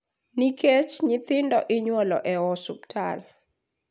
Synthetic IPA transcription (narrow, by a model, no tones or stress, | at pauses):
niket͡ʃɲɪt̪ɪndɔʔɪɲwɔlɔ̰ʔɛɔsuptʰa̰l